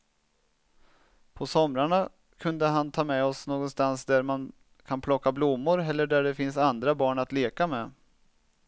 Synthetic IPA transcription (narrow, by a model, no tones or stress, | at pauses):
pʰɔsɔmɾaɳa | kʰɵnd̪əɦant̪ʰɑːmɛɔsnoːɡɔnst̪ansd̪æɾman | kʰanpʰlɔkːablʊmːʊɾɛlːəɖæɖɛfɪnsand̪ɾabɑːɳat̪leːkamɛ